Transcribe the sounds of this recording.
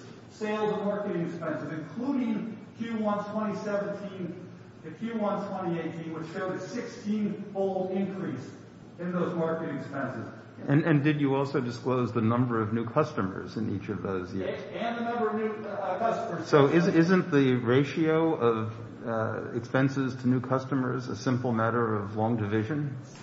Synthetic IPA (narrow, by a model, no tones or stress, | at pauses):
seɪlˠzʌvmɑɹkɨɾɪ̃ŋɨkspɛ̃nsɨzɨ̃nkʰl̥uɾɪ̃ŋkʰj̥ʉwʌ̃ntʰw̥ɛ̃ɾ̃isɛvɨ̃n̩tʰĩn | ɨkʰj̥ʉwʌ̃ntʰw̥ɛ̃ɾ̃ieɪtʰĩnwɨ̥t͡ʃʃoʊɾɨsɪkstʰĩnfoʊlˠdɪ̃nkʰɹ̥is | ɨ̃nðoʊzmɑɹkɨɾɪ̃ŋɨkspɛ̃nsɨz̥ | ɨ̃nɨ̃ndɨd͡ʒɨɔlˠsoʊdɨskloʊzðɨnʌ̃mbə˞ʌvnʉkʰʌstɨmə̰˞zɨ̃nḭt͡ʃʌvðoʊzjɪ̰ | ɨ̃nðɨnʌ̃mbə˞ʌvnʉkʰʌstəmə˞z̥soʊʔɪzɪzɨ̃nðiɹeɪʃioʊʌv | ɨ̰kspɛ̃nsɪz̥tʰɨnʉkʰʌstəmə˞zɨ̰sɪ̃mpl̩ˠmæɾə˞ʌvlɔ̃ŋdɨvɪʒɨ̃n